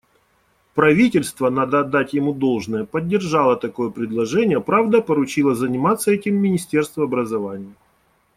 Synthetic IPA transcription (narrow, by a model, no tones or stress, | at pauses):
pɾɐvʲitʲɪlʲst̪vənad̪əɐd̪ːatʲjɪmud̪o̞lˠʐnəjəpədʲːɪrʐɑlˠət̪ɐko̞jəpɾʲɪd̪lˠɐʐɛnʲɪjəpɾavd̪əpəɾʊt͡ɕilˠəzənʲɪmat̪sːəɛtʲɪmːʲɪnʲɪsʲtʲe̞rst̪vəɐbɾəzɐvanʲɪjə